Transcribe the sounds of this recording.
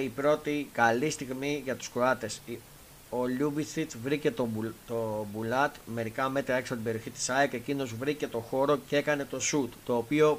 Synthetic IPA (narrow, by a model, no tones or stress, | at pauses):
ipɾo̞t̪ikɐlist̪iɣmiʝɐt̪u̥skɾo̞ɐt̪e̞s | o̞lubisit͡svɾice̞t̪ot̪obulɐt̪me̞ɾikɐme̞t̪ɾɐe̞ksɐpot̪ibe̞ɾio̞çit̪i̥sɐeke̞cino̞zvɾice̞t̪o̞xo̞ɾo̞ce̞kɐne̞t̪o̞sut̪t̪o̞ːpio̞